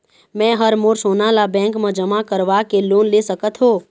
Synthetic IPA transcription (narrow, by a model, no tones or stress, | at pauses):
mɛ̃ːɦəɾmoːɾsoːnalabɛ̃ːŋkmẽd͡ʒəmakəɾʋakeloːnlesəkət̪ɦoː